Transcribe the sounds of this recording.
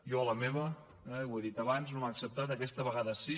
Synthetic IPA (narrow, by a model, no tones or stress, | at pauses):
jɔləmeβə | ɛweðit̪əβanznomaːksəp̚t̪at̪əkɛst̪əβəɣaðəsi